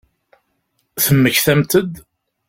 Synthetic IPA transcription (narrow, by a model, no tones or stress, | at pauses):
θəmːəçθæmt̪əd̪